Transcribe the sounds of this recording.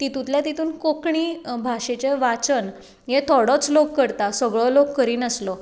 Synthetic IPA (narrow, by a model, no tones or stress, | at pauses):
t̪it̪ũt̪ljat̪it̪ʰuːnkokɳiːbʱaʂet͡ɕeʋat͡sən | jet̪ʰɔɽɔt͡slokːəɾt̪asəɡɭɔlokːəɾiːnəslɔ